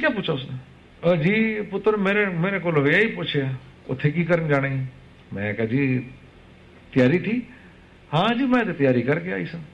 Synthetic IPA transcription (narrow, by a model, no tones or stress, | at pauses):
kʲjaːpʊt͡ʃʰaːʊsne | d͡ʒiːpʊt̪ɾmeːɾemeːɾẽkoːloʋejaːipʊt͡ʃʰeaː | ʊ̰t̪ʰːekiːkəɾənd͡ʒaːɽ̃ẽ | mɛ̰̃kɐd͡ʒi | t̪ɪjaːɾit̪ʰiː | hãːd͡ʒiːmɛ̃t̪et̪jaːɾikɐɾkea̰ːiːsãː